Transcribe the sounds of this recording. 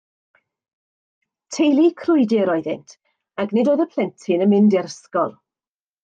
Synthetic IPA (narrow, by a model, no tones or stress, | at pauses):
tʰejlˠikʰrʊɨdɪɾɔɨðɪ̰ntʰ | aɡnɪdoːðəpʰl̥ɛntʰɪnəmɪndɛrskɔlˠ